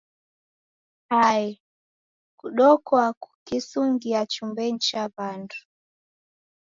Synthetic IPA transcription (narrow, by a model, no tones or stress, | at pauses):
haɛ | kuɗɔkɔaku̥kisuŋɡiat͡ʃumbɛɲ̩t͡ʃaβandu̥